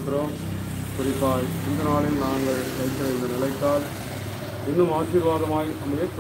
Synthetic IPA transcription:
t̪ːɪɾoːm | kʊɾɪpːaːlɪnd̪ɐnaːlɪnnaːŋɡɐɭkɐɪkːɪɾɐɪnd̪ɐnɪlɐɪt̪ːaːl | ɪnːɯmaːsɪɾʋaːɣɐmaːjʔ̪ɐmɐjɐt̪ː

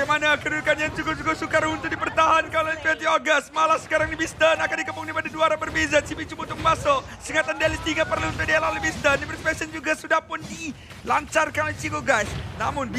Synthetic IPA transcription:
manakəɾukanjaŋt͡ʃukut͡ʃukosukarhunt̪udipərt̪aɦankalaint̪ɛnt̪ioɡast̪̚malahsə̥kaɾaŋdibist̪ənakandikəpuŋnipadaduaɾanbərbezat͡ʃibit͡ʃumut̪ʊŋkmaso | səŋat̪andalist̪iŋapərlunt̪ʊdialalibist̪əndipiɾspɛsənd͡ʒuɡasudahpʊndi | laɲt͡ʃarkanolit͡ʃikoɡajsnamʊnb

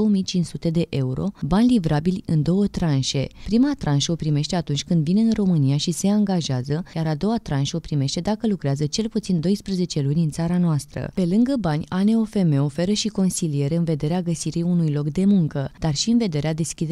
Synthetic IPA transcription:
owomijt͡ʃinsut̪e̞d̪e̞ʔe̞uɾo̞̰banʲlivɾabilʲɨnd̪o̞wət̪ɾanʃe̞pɾimat̪ɾʔanʃəopɾime̞ʃt̪e̞at̪unt͡ʃʲkɨnd̪vine̞ɨnro̞mɨnijaʃise̞aŋɡaʒeazəjaɾad̪o̞wat̪ɾanʃəopɾime̞ʃt̪e̞d̪akəlukɾeazət͡ʃe̞lput̪sind̪o̞jspɾeze̞t͡ʃe̞lunʲɨnt̪saɾanoast̪ɾə̰pe̞lɨŋɡəbanʲane̞o̞fe̞me̞o̞fe̞ɾəʃiko̞nsilije̞ɾeɨnve̞d̪e̞ɾeaɡəsiɾijunujlo̞kd̪e̞muŋkəd̪̥arʃiɨnve̞d̪e̞ɾead̪e̞skʲid̪e

